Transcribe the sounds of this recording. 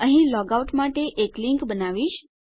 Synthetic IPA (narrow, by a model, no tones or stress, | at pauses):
əɦĩlɔɡauʈmaʈeʔekliŋkbənaʋiʃ